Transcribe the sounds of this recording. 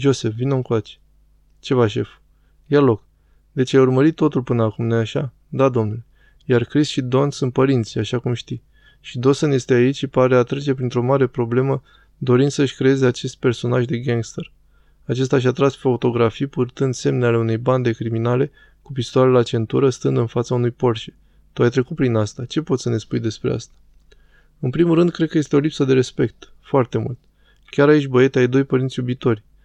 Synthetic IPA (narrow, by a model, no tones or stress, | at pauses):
d͡ʒo̞se̞fvinoɨŋkoat͡ʃe̥ | t͡ʃe̞vaʃ̬e̞f | jalo̞k | d̪̥e̞t͡ʃajurməɾit̪ːo̞t̪ulpɨnəakumnojaʃa̰ | d̪ad̪o̞mnule | jarkɾisʃid̪o̞nsunt̪̚pəɾint̪sʲjaʃakumʃt̪i | ʃid̪o̞sənje̞st̪eait͡ʃʲʃipaɾe̞at̪ɾe̞t͡ʃe̞pɾint̪ɾo̞maɾe̞pɾo̞ble̞mə | d̪o̞ɾinsəɨʃʲkɾe̞e̞ze̞at͡ʃe̞st̪̚pe̞rso̞naʒd̪e̞ɡaŋɡst̪ər | at͡ʃe̞st̪aʃ̬at̪ɾasfat̪o̞ɡɾafijpurt̪ɨnd̪se̞mneale̞une̞jband̪e̞kɾiminale̞ | kup̬ist̪oaɾelat͡ʃe̞nt̪uɾəst̪ɨnd̪ɨnfat̪saunujpo̞rʃe̥ | t̪oajt̪ɾe̞kut̪̚pɾinast̪at͡ʃe̞po̞t̪səne̞spujd̪e̞spɾe̞̰a̰st̪ḁ | ɨnpɾimulrɨnd̪̚kɾekəje̞st̪eo̞lipsəd̪e̞ɾe̞spe̞k̚t̪ | foart̪e̞mṵlt̪ʲ | kʲaɾait͡ʃʲbəe̞t̪eajd̪o̞jpəɾintsjubit̪o̞rʲ